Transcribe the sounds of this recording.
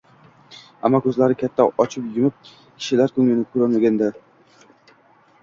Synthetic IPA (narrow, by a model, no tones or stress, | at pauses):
amːɒkʰɵzlaɾɪkʲʰat̪ʰːaɒt͡ʃʰɪpjɪmɪp̚ | kʲʰɪ̥ʃɪlaɾkʰʲɵŋʲɪnɪkʰɵɾanmaɡʲand̪a